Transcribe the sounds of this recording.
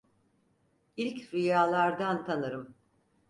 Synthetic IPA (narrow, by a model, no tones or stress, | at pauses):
ilʲcɾijaːlˠaɾd̪ant̪ʰanɯɾɯm